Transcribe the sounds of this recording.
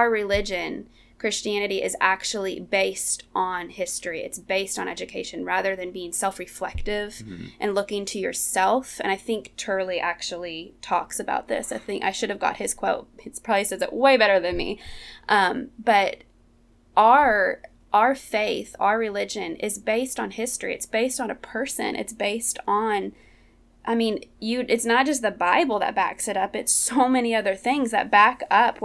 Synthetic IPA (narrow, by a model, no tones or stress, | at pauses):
ə˞ɹɨlɪd͡ʒɨ̃n | kʰɹ̥ɪst͡ʃiæñɨɾiʔɨzæk̚t͡ʃul̩ˠḭbeɪstn̩hɪstɹ̥iɨ̰tsb̥eɪstn̩ʔɛ̰d͡ʒɨkʰeɪʃɨ̃nɹæðə˞ðɨ̃nbiɪ̃ŋsɛlˠfɹɨflɛk̚tɪv̥ʔɨ̃nlʊkɪ̃ŋtʰɨjə̰˞sɛlˠfɨ̰̃ɾ̃aɪθɪ̃ŋktʰɜ˞lˠiʔæk̚t͡ʃul̩ˠitʰɔksɨba̰ʊt̪̚ðɪ̰saɪθɪ̃ŋka̰ɪʃʊɾɨvɡɑ̰t̚hɨz̥kʰw̥oʊt̚ɨtspʰɹ̥ɑblisɛzɨ̰ʔweɪbɛɾə˞ðɨ̃nmḭʔʌ̃mb̥ʌɾ | ʔaə˞ | ʔə˞feɪθa̰ə˞ɹɨlɪd͡ʒɨ̃nɪ̰zbeɪstn̩hɪstɹ̥ḭɨ̰tsb̥eɪstn̩ɨpʰɜ˞sɨ̰̃nʔɨ̰tsb̥eɪstn̩ | ʔaɪmĩnjɨʔɨtsnət̚d̥ʒ̥ʌs̬t̪̚ðɨbaɪbl̩ˠðə̰t̚b̥æ̰ksɨɾʌpɨtsoʊmɛniʌðə˞θɪ̃ŋzðɨ̰t̚b̥ækʌpʰ